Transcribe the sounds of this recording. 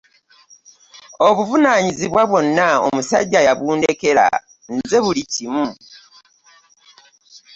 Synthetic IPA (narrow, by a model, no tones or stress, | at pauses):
o̞βuvunaɲiziβwaβwo̞nːao̰musa̰ɟːajaβuːnde̞ke̞ɾa̰ | nze̞βulicimu